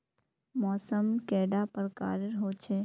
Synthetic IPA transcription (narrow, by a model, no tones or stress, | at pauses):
mɔːsəmkɛːɖapəɾka̰ːɾəɾɦoːt͡ʃʰe